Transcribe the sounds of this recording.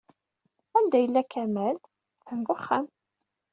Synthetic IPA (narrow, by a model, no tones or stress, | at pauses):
ænd̪æjəlːækʰæmæl | θənvəχːæm